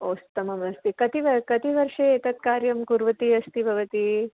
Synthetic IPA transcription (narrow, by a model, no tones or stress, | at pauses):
oːst̪ɐmɐmɐst̪ikɐt̪iʋɐkɐt̪iʋɐɾʂeːt̪ɐt̪̚kaːɾjɐmkuɾʋɐt̪iɐst̪ibʱɐʋɐt̪i